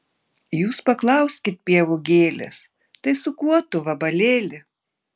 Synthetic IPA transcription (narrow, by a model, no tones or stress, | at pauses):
juːspɐklˠɐʊsʲkʲɪt̪̚pʲiɛʋʊɡʲeːlʲɛ̰s | t̪ɐɪsʊkuɔt̪ʊʋɐbɐlʲeːlʲɪ